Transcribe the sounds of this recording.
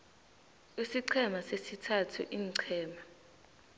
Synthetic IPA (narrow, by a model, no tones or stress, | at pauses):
isiǀʰɛmasesitʰatʰṵʔiːŋǀʰɛːma